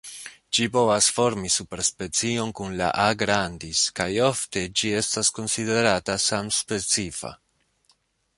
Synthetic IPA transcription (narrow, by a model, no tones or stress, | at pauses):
d͡ʒipo̞vasfo̞ɾmisupe̞ɾspe̞t͡sio̞nkunla̰ʔaɡɾandiskajo̞fte̞d͡ʒie̞stasko̞nside̞ɾatasamspe̞t͡sifa̰